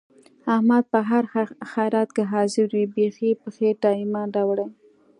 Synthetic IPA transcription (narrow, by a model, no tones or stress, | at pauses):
ahmad̪̚pəɦaɾxajɾɑt̪̚keɦɑzɪɾwibexipəxeɖɑɪmɑdɑwɽaj